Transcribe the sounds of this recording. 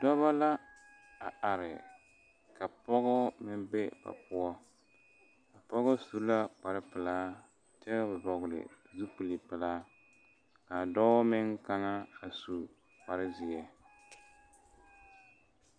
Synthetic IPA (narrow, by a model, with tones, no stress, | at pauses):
dɔ˦βa˦la˦ | a˨a˨ɾɪ˨ | ka˨pɔ˦ɣɔ˦mɪ˦m˦bɛ˦ba̰˨pʊ˦ɔ˦ | ka˨pɔ˦ɣʊ˦su˦la˦k͡pa˨ɾɪ˦pɨ˨laː˦ | tɛ˦bɛ˨bɔ˨ɣʊ˨lɪ̰˨ | zu˦pɨ˨li˨pɨ˨laː˦ | ka˨dɔ˦mɪ˦ŋka˦na˦a˨su˨ | k͡pa˨ɾɪ˦zɪ˨ɛ˨